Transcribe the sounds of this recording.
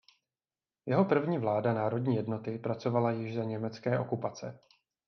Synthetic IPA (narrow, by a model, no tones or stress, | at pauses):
jɛɦo̞pr̩vɲiːvlaːdanaːɾo̞d̚ɲiːjɛdno̞t̪ɪpɾat͡so̞valajɪʒzaɲɛmɛt͡skɛːʔo̞kupat͡sɛ̰